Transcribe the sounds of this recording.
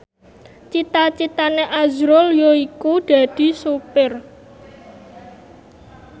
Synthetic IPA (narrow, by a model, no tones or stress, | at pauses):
t͡ʃit̪at͡ʃit̪aneʔazɾʊljoikud̪̥a̤d̪̥i̤supɪr